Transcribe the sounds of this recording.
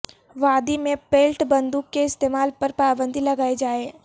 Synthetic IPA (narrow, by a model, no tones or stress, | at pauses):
ʋaːd̪imẽpeːlʈbɐ̃nd̪uːkːeɪst̪eːmaːlpɐɾpaːbə̃nd̪ʱilɐɡaːed͡ʒaːeː